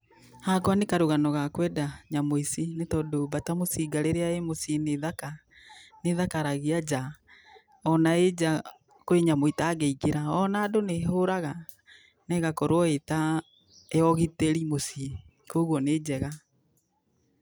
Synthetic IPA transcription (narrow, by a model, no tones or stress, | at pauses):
haɡoanekaɾuɣanɔɣakwɛdaɲamoisinetɔdobatamosiɡaɾeɾeaemosineðaka | neðakaɾaɣiad͡ʑa | ɔnaed͡ʒa | koeɲamoitaːɡeiɡeɾaɔnaːdoneɦoɾaɣa | nɛɣakɔɾwɔeta | eɔɣiteɾimosi | koɣwɔneːd͡ʑɛɣa